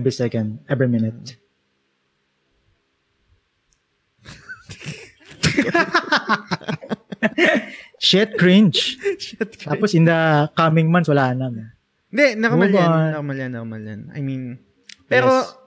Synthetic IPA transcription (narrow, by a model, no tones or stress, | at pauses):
bɹisɛkɐ̃nd̪̚ɛbɹimɪnɪt̪̚ | ʃɛt̪̚kɹɪnt͡ʃt̪aposɪnd̪ɐkamɪŋmɐ̃nswɐlaːɐnɐm | ɪnd̪ɛnɐkɐulbaɐkɐmɐlanɐkɐmɐla̰na̰jmin | pɛːɾo